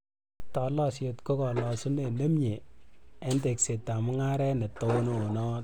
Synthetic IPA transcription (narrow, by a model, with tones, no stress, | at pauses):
tɔ˨la˦sje˨tko˦kɔ˨lɔ˨su˦ne˨ne˦mɲe˨e˦nte˨kse˨ta˨mʊ˦ŋa˦ɾɛ˦ne˨to˨˦no˨nɔ˦t̚